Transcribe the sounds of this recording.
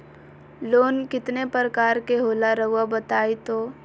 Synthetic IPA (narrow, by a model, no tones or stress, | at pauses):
loːnkɪt̪nepəɾəkaːɾkeɦoːlaɾəɦʊabət̪aːet̪oː